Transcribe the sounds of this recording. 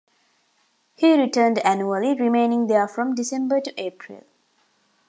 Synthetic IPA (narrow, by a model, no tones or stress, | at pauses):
hiːɾiʈəːnɖæ̃njuəliɾimẽːnɪ̃ŋd̪əfɾɔ̃mɖisẽmbəʈuʔeːpʰɾḭl